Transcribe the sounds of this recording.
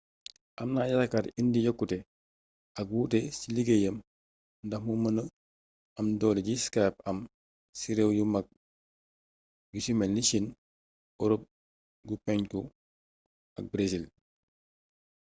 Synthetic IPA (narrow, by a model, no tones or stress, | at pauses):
ʔamnajaakatindijokːute | ɐk̚wutesiliɡejəm | ndamumənə | ɐmdɔːleɟiskajpɐm | siɾewjumak̚ | jusimelniʃin | ɔɾop̚ | ɡupɛɲku | ɐk̚bɾesil